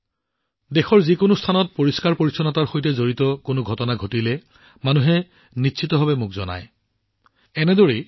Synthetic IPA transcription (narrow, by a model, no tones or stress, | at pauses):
dexɔɹzikʊnʊstʰanɔt̚poɹiskaɹpoɹisʰɔnataɹxojtɛzoɹitɔkʊnʊɡʱɔtɔnaɡʱotilɛ | manuɦɛ | nitsʰitɔbʱabɛmʊkzɔ̰na̰j | ɛnɛdoɹi